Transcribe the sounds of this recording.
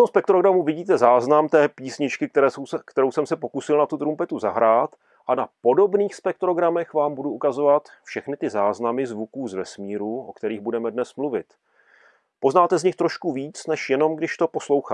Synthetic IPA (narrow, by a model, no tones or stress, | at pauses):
t̪omspɛk̚t̪ɾoɡɾamuvɪɟiːt̪ɛzaːznamt̪ɛːpiːsɲɪt͡ʃkɪkt̪ɛɾɛːsowsɛkt̪ɛɾo̞wsɛmsɛpo̞kusɪlnat̪ut̪ɾumpɛt̪uzaɦɾaːt̪ | ʔanapo̞do̞bniːxspɛk̚t̪ɾo̞ɡɾamɛxvaːmbuduʔukazo̞vat̪fʃɛxnɪt̪ɪzaːznamɪzvukuːzvɛsmiːɾuʔo̞kt̪ɛɾiːɣbudɛmɛdnɛsmluvɪ̰t̪ | po̞znaːt̪ɛzɲɪxt̪ɾo̞ʃkuviːt͡snɛʃjɛno̞mɡdɪʃt̪o̞po̞slo̞wxaː